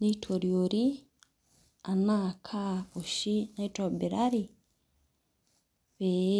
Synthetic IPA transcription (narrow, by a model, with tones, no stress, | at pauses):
ni˦tʰo˨ɾjoɾi | a˨naːkʰao˨ʃi˦natɾo˨bi˨ɾaɾi | βe˨